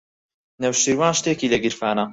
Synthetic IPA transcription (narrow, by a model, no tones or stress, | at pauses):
nɐwʃiɾwaːnʃt̪eːkiːlɐɡɨɾfaːnɐ